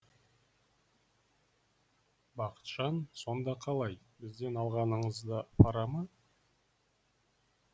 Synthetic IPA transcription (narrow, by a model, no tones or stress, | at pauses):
bɑqə̥t̪ʃɑnso̞nd̪ɑqʰɑlˠɑj | bɪzd̪e̞nɑlˠʁɑnəɴəzd̪əpʰɑɾɑmə